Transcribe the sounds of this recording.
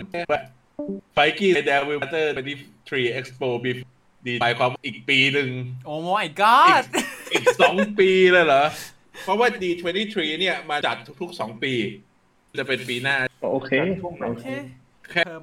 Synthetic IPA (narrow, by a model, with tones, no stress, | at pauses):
wa˥˩ | fa˧˩jkiː˥˩˧dɛː˧wi˧˥t̪ɤː˥˩we˧nt̪i˥˩t̪ʰɾiː˧ʔe˦˥k̚spoː˧biː˧˩f | diː˧a˨˧˩jkʰwaː˧mwaː˥˩ʔiː˨˩k̚piː˧nɯ˧ŋʔoː˧˩ma˧˩jɡɔ˥ʔiː˨˩k̚sɔː˩˦ŋpiː˧laː˧˩jlɔ˩˦ | ppʰɔ˦˥waː˥˩diː˧t̪ʰwe˧nt̪iː˥˩t̪ʰɾiː˧ni˥˩ɐma˧t͡ɕa˨˩t̪ʰːu˦˥k̚t̪ʰu˦˥k̚sɔː˩˦ŋpiː˧ | nt͡ɕa˨˩pe˧npiː˧naː˥˩ʔoː˧kʰeː˧o˧kʰeː˧ | kʰɛː˥